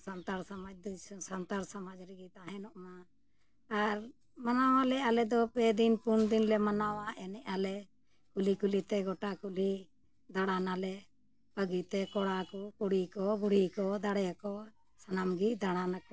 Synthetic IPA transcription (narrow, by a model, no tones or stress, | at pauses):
sant̪aɾsamad͡ʒd̪sant̪aɾsamad͡ʒɾiɡit̪aɦɛ̃nɔʔma | aɾ | manawalɛalɛd̪ɔpɛd̪inpuɳd̪inlɛmanawaʔɛnɛʔalɛ | kulikulit̪ɛɡɔʈakuli | d̪aɽanalɛ | pəɡit̪ɛkɔɽakukuɽikɔbuɽikɔd̪aɽɛakɔ | sanamɡid̪aɽanakɔ